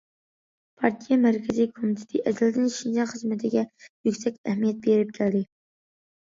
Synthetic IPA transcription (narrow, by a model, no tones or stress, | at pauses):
pʰɑɾt̪ʰijɑmæɾkʲʰɪzijkʰomit̪ʰɪ̥t̪ʰɪʔɛd̪ɪld̪ɪnʃind͡ʒɑχəzmɪt̪ʰɪɡʲɛjykʲsɛkʲɛhmijɛt̪̚beɾɪp̚kʲʰæld̪ɪ